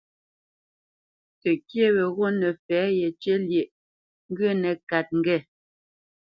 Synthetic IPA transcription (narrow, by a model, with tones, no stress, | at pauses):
tɛ˨kje˦wɛ˨ɣo˦nɛ˨fɛː˨˦jɛ˨t͡ʃe˦lje˨ʔ | ŋ̩˦ɡə˦˨nɛ˨ka˨t̚ŋ̩˦ɡɛ˦˨